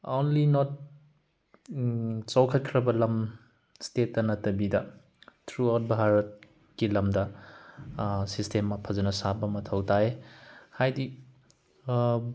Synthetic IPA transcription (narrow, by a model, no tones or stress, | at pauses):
onlinɔt̚ | t͡ʃawkʰɐt̚kʰɾɐbɐlɐm | stetːɐnɐtɐbidɐ | tʰɾuawt̚bʱaɾɐt̚ | kilɐmdɐ | sistemːɐpʰɐzɐnɐsabɐmɐtʰɐwtaehajdi